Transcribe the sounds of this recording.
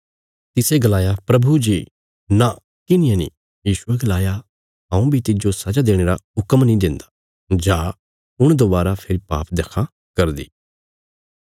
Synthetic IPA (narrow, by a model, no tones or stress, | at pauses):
t̪ɪseɡəlaːjapɾɐbʱud͡ʒiː | na | kɪnɪijãnḭ̃ː | jiːʃʊeɡlaːja | ɦɐ̃ũbʱit̪ɪd͡ʒosɐd͡ʒad̪eːɽ̃eːɾaʊkəmnĩd̪ɪ̃nd̪a | d͡ʒaː | ʊɽ̃d̪obaːɾapʰɪɾipa̰ːpd̪ekʰã | kɐɾd̪ḭː